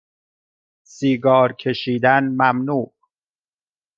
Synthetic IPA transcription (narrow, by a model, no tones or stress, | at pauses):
siːɡɒːɾcʰe̞ʃiːd̪ænmæmnuːʔ